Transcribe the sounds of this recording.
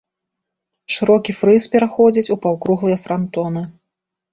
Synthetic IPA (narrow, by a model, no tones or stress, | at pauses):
ʂɨɾɔkʲifɾɨspʲɛɾaxɔd͡zʲit͡sʲupawkɾuɣlˠɨjɐfɾant̪ɔnɨ